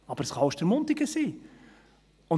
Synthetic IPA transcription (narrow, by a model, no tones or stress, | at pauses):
ɑbəɾəsχɑʊʃd̥əɾmʊnt̪ɪɡəsiː | ʊn